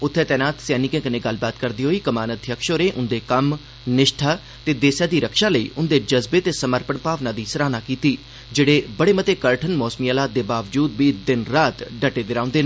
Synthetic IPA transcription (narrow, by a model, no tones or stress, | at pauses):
ʊt̪ʰːeːt̪ɛːnaːt̪sɛːnɪikẽːkənẽːɡəlːbaːt̪kəɾd̪iːɦoːiːkəmaːnət̪jəkʃoːɾẽːʔʊnd̪eːkəm | nɪʃʈʰaː | t̪eːd̪eːsjãːd̪iːɾəkʃaːləḭːʔʊnd̪eːd͡ʒəzbeːt̪eːsəməɾpəɳpaːʋnãːd̪iːsəɾaːnaːkiːt̪iː | d͡ʒeːɽeːbəɽeːmət̪eːkəɾʈʰənmɔːsmiːaːlaːt̪̚d̪eːbaːʋd͡ʒuːd̪ʋiːd̪ɪnɾaːt̪ɖəʈːeːd̪ɪɾãːʊ̃nd̪eːnː